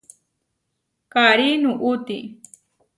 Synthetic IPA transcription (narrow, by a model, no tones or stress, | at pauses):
kaɾinuʔut̪i